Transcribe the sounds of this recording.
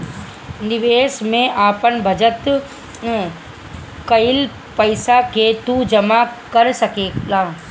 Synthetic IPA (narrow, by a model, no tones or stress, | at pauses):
nɪʋeːʃmẽʔaːpənbʱɐd͡ʒət̪ | kɐɪl | pɐɪsaket̪ud͡ʒɐmakɐɾsɐkeːaː